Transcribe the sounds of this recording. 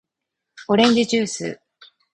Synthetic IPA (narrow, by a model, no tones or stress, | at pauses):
o̞ɾẽ̞ɲ̟d͡ʑit͡ɕɨːsɨ̰ː